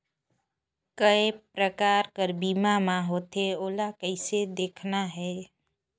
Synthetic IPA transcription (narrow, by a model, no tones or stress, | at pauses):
kəepɾəkaːɾkəɾbimamãɦoːt̪eoːlakəɪsed̪eːkʰnaɦɛː